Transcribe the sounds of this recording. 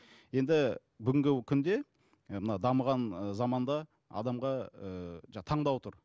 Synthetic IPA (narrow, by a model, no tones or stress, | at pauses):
je̞nd̪ɪ | bʏɡʲɪŋɡʲɪkʲʰʏnd̪e̞ | mənɑd̪ɑməʁɑnəzɑmɑnd̪ɑ | ɑ̰d̪ɑmʁɑəʒɑt̪ʰɑɴd̪ɑwt̪ʰʊɾ